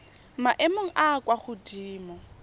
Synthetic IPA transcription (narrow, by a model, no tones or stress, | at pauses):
maʔemoŋ̩ʔaːkwaχʊdiːmɔ